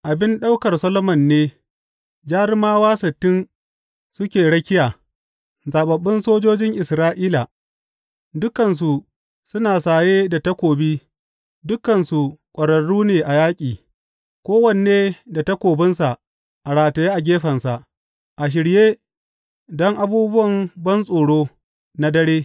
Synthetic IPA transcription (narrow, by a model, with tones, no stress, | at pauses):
ʔa˨bɪ˦nɗa˦wkɐ˨rsɐ˦lo˦mɐ˨nːeː˦ | d͡ʒaː˦ɾɪ˦maː˦waː˦sɐ˨tːɪ˦n | sʊ˦kʲeː˨ɽɐ˦kʲɪ˦jaː˨ | zaː˨ɓɐ˨bːɪ˦nsoː˦d͡ʒoː˦d͡ʒɪ˦ŋʔɪ˨sɾaː˦ʔiː˦la˨ | dʊ˦kɐ˨ns̬u˨ | sʊ˦naː˨saː˨jeː˦da˨ta˦kʷoː˨biː˦ | dʊ˦kɐ˨nsu˨kʷʼɐ˨ɽɐ˨ɽuː˦neː˨ʔa˨jaː˦kʲʼiː˨ | kʷoː˦wɐ˦˨n˨neː˦da˨ta˦kʷoː˨bɪ˦nsa˨ʔ | ʔa˨ɽaː˨tɐ˨jeː˦ʔa˨ɡʲeː˦ɸɐ˨nsa˨ʔ | ʔa˨ʃ̬ɪ˨ɽjeː˦ | dɔ˦ŋʔa˨buː˦bʊ˦wɐ˨mbɐ˦nsʼoː˨ɽoː˦ | na˦dɐ˦ɽeː˦